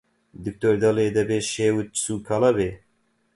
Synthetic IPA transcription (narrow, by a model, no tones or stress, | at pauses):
d̪ɨk̚t̪oːɾd̪ɑled̪ɛbeʃeːwɨt̪̚suːkʰɑlɑbeː